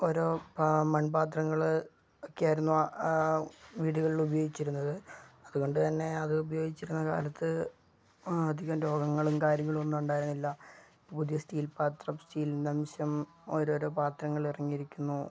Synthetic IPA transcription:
o̞ɾo̞ːmɐnbaːt̪rɐŋːɐɭ | okːejaːjiɾunːu | ʋiːɽuɣɐɭilubɐjo̞ːɡit͡ɕːiɾunːɐðɨɐðuɣo̞ɳɖɨt̪ɐnːe̞ɐðɨubɐjo̞ːɡit͡ɕːiɾunːɐka̰ːlɐt̪ːɨ | ɐd̪ʱːiɣɐmɾo̞ːɡɐŋːɐɭumkaːɾjɐŋːɐɭumonːuuɳɖaːjiɾunːilːɐ | puðijɐsʈiːlpaːt̪rɐmsʈiːlnɐmɕɐm | o̞ɾo̞ːɾo̞ːpaːt̪rɐŋːɐɭirɐŋːijiɾikʲːunːu

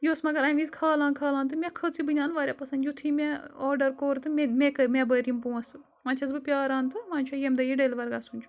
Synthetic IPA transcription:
joːsmɐɡɐɾɐʋizkʰaːlãːnkʰaːlãːnt̪̬ɨmʲɛkʰət͡sibɨnʲaːnʋaːɾʲapɐsɐnd̪jut̪ʰimʲɛɔːɾɖɐɾkoːɾt̪ɨmemʲekɐmʲɛbəːɾjimpuːɐsɨ | mɐ̃ːnt͡ʃʰɐzbɨpʲjaːɾãːnt̪ɨmãːnʲt͡ʃʰujemd̪ɐjiɖelʋɐɾɡasunʲt͡ʃʰu̥

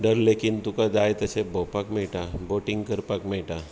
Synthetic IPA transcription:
ɖəɾleːkɪnt̪ukad͡ʒaːjt̪ɐt͡ʃʰebopakmeːʈaboːʈɪ̃ŋɡkəɾpakmẽːʈa

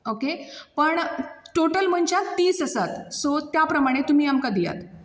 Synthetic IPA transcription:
okepəɳ | ʈoʈəlm̤əɳt͡ɕat̪ːiːsəsat̪sot̪japɾəmaɽ̃et̪um̤iːamkad̪ija̰t̪

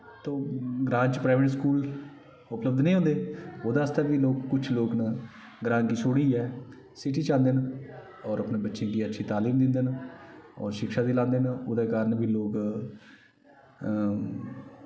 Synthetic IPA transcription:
t̪oːɡɾãːɲt͡ʃpɾaːʋeːʈskuːl | ʊpləb̚d̪nĩːɦõnd̪eːoːd̪aːəst̪aːbiːloːkːʊt͡ʃʰloːkna | ɡɾãːŋkiːt͡ʃʰoːɽiːɛː | sɪʈiːt͡ʃãːnd̪eːn | ɔːɾəpneːbətːʃẽːk̪iːətːʃʰiːt̪aːliːmd̪ɪnd̪eːn | ɔ̰ːɾʃɪkʃaːd̪iːlãːnd̪eːnoːd̪eːkaːɾənbʱiːloːk

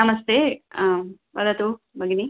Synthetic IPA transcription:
ɐmɐst̪e | bɐd̪ɐt̪u | bʱɐɡini

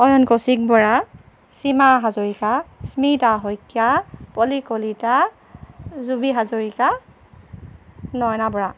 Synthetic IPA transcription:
ɔjɔnkosik̚bɔɹa | simaɦazoɹikasmitaɦɔjkʰːjapɔlikolita | zubiɦazoɹika | nɔjnabɔɹa

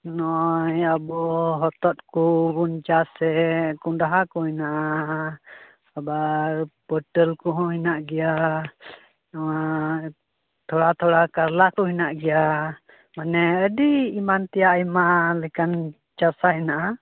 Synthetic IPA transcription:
nɔjabɔɦɔt̪ɔt̪̚kubund͡ʒasɛkundaɦakuhinaʔa | habaɾbɔʈəlkuɦɔ̃hinaʔɡija | a | t̪ʰɔɽat̪ʰɔɽakaɾlakɔɦinaʔɡija | manɛədiːmant̪ijaʔimalɛkan | d͡ʒasainaʔa

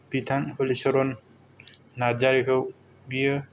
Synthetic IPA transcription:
pitʰaŋhɔlisɔɾɔnː | aɾd͡ʒaɾikʰɯw | biɯ

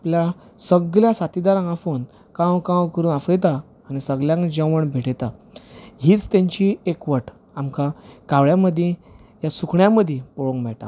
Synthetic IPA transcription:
aplja | səɡɭjasat̪id̪aɾãŋafon | kãwkãwkəɾuːnafəjt̪aː | ñisəɡljãŋkd͡ʑəʋəɳbʱeʈt̪a | ɦiːt͡st̪jãɲt͡ɕiekʋəʈ | amkakaʋɭjaməd̪ʱjejasukɳjaməd̪ʱjẽpɔɭõŋkbaʈa̰

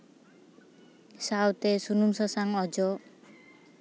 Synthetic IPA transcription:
sawt̪esunumsɔsaŋɔd͡ʒɔ

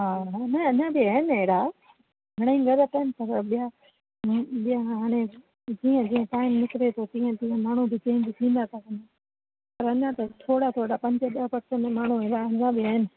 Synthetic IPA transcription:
ɦaːɦnɐɐɲãbiɐɦɪnɪeːɽa | ɡʱɐɽ̃eiɡɐɾət̪ɐːɪnɪsɐbəɓija | ɓiaɦaːɽ̃ẽ | d͡ʑiːə̃d͡ʑĩːə̃ʈaːɪmnɪkɪɾet̪ʰot̪ĩːə̃t̪ĩːə̃maːɳ̤ubɪt͡ɕẽːɲd͡ʑit̪ʰĩːn̆d̪at̪ʰakɐna | pɐɾɐɲãt̪ɐt̪ʰoːɽat̪ʰoːɽapɐ̃ɲd͡ʑəɗɐpɐɾsəmẽmaːɳ̤uɦẽːd̪aɐɲãbiɐɦɪnɪ̆

